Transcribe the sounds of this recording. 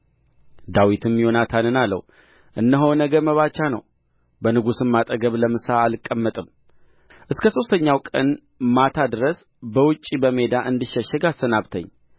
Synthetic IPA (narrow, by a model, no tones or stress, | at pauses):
d̪awit̪ʰɨmjo̞nat̪ʰanɨnalːə̰w | ʔɨnːəɦownəɡəməβat͡ʃːanəw | bənɨɡusɨmːat̪ʼəɡəβləmɨsaːlɨkʼːəmːət̪ʼɨm | ʔɨskʰəso̞st̪ʰəɲːawkʼən | mat̪ʰad̪ɨɾəs | bəwɨt͡ʃʼːibəme̞d̪aʔɨnd̪ɨʃːəʃːɛɡasːənaβt̪ʰə̰ɲː